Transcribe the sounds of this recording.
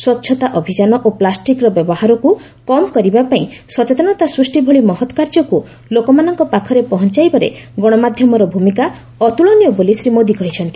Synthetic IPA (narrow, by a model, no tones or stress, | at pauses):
swɔtːʃʰɔt̪aʔɔbʱid͡ʒanɔʔoplasʈikɾɔbjɔbɔhaɾɔku | kɔmkɔɾibapaĩsɔt͡ʃet̪ɔnɔt̪asɾusʈibʱɔɭimɔɦɔt̪ɔ̥kaɾd͡ʒɔku | lokɔmanɔŋkɔpakʰɔɾepɔɦɔnt͡ʃajbaɾḛɡɔɽ̃ɔmad̪ʱjɔmɔɾɔbʱumika | ɔt̪uɭɔnijɔbolisɾimod̪ikɔɦit͡ʃʰɔnt̪i